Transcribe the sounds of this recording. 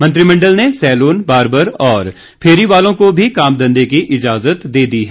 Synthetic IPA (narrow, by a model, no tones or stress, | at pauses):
mɐ̃nt̪ɾimɐ̃ɳɖəlnesɛːloːnbaːɾbəɾɔːɾ | pʰeːɾiʋaːlõkobʱikaːmd̪ɐ̃nd̪ekiʔɪd͡ʒaːzət̪d̪eːd̪iɦɛ